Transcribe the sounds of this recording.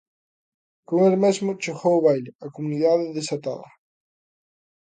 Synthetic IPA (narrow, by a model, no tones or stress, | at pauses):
koŋelmezmʊt͡ʃexowʊβajlɪɐkomuniðaðɪðesat̪a̰la